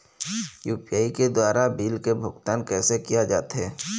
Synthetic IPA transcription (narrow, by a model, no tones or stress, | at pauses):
juːpijaːiked̪waːɾabiːlkebʱʊɡt̪aːnkɛːsekijad͡ʒaːt̪ɦɛː